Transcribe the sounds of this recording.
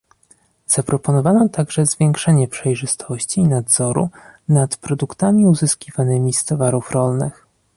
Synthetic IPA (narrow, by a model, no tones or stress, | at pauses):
z̥apɾɔpɔnɔvanɔt̪aɡʐɛzvʲjɛŋkʂɛɲɛpʂɛjʐɘst̪ʰɔɕt͡ɕiːnad̪zɔɾṵnat̪pɾɔd̪ukt̪amʲiuzɘskʲivanɘmʲist̪ɔvaɾufɾɔlnɘ̰x